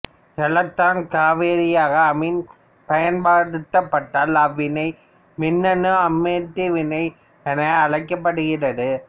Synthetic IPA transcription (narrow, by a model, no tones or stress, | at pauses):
kɛlɐt̪ːaːnkaːʋeːɾɪjaːɣɐːmɪn | pɐjɐnbaːɽɯt̪ːɐpːɐʈːaːlɐʋːɪnɐɪ | mɪnːɐnɯɐmːeːʈ̪ːiʋɪnɐɪ | ɛnɐɐɭɐɪkːɐp̬ːɐɽɯɣɪrɐðɯ